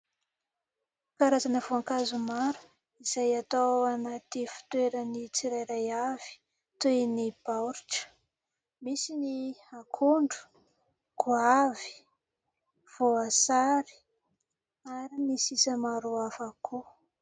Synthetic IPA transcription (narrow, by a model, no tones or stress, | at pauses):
kaɾazanəvoaŋkazumaɾu̥ | iz̥ajat̪awanat̪ifi̥t̪weɾənit͡siɾajɾajav̥i̥ | t̪enib̥awɾiʈ͡ʂə̥ | misiniakʰuɳɖ͡ʐu̥ | ɡ̥uavi̥ | v̥oasaɾi̥ | aɾinisisəmaɾuafakʰu